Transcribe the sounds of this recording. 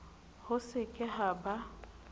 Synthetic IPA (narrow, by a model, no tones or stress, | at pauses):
hʊsɪkʼɪɦaba